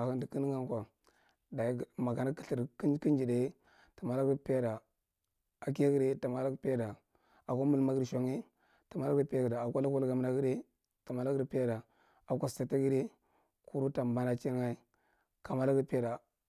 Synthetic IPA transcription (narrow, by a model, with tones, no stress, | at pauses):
a˨kə˦ndi˨ki˦n˦ŋa˦ŋkʷa˨ | da˨˦˨ma˨ɡa˨na˦ki̥˦ɬi˨ɾkki˦n˦d͡ʒi˨da˨˦ | ta˨ma˨la˦ɡpe˦da˨ | a˨k̬i˦ja˦ɡi˦de˦ta˨ma˨la˦pe˦da˨ | a˨ko˦mu˦lma˦ɡʃo˨ŋe˦ | ta˨ma˨la˦pe˦˨ɡi˨da˨a˨kʷa˦la˦ku˦lɡa˨m˦a˨ɡi˦de˦ | ta˨ma˨la˦ɡɾpe˦da˨ | a˨kʷa˦sta˨ta˦ɡi˦de˦ | ku˦ɾu˦ta˨ba˦na˨t͡ʃi˦ɾŋa˦i˦ | ka˨ma˦la˦ɡpe˦da˨